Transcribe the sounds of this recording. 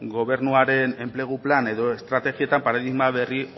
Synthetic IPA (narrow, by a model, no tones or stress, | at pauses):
ɡo̞βe̞ɾnuaɾe̞ne̞mple̞ɣ̞uplane̞ðo̞est̪ɾat̪e̞ɣie̞t̪ampaɾaðiɣmaβe̞ri